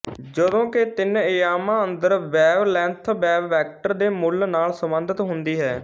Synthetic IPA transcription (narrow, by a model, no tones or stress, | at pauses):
d͡ʒəd̪õːkɪt̪ɪnɪjaːmãːənd̪əɾʋɛːʋlɛ̃ːnt̪ʰbɛːʋːɛːk̚ʈəɾd̪eːmʊlnaːlsəmənd̪ət̪ɦʊnd̪iːɦɛː